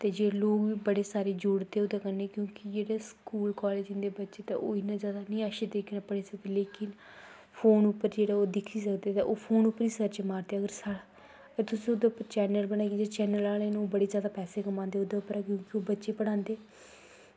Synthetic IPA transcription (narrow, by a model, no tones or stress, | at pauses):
t̪eːd͡ʒeːloːkʋiːbəɽeːsaːɾeːd͡ʒʊɽt̪eːod̪aːkəneːkjõːkɪd͡ʒeːɽeːskuːlkɔːleːd͡ʒɪ̃nd̪eːbətːʃeːt̪ã̰ʔoːɪnãːzjaːd̪aːnĩːaːʃed̪eːkːnãːpəɽeːsək̚d̪eːleːkɪn | pʰoːnʊpːəɾd͡ʒeːɽaːoːd̪ɪkʰːiːsəkd̪eːt̪ãʔoːpʰoːnʊpːəɾiːsəɾt͡ʃmaːɾt̪eːəɡəɾsɽ | ɡɾt̪ʊsĩod̪apːət͡ʃɛːnəlbəɽ̃aːkid͡ʒeːt͡ʃɛːnəlaːlañoːbəɽeːzjaːd̪aːpɛːseːkəmãːnd̪eːoːd̪aːʊpːəɾaːkjõːkɪoːbətːʃeːpəɽ̃ãːnd̪eː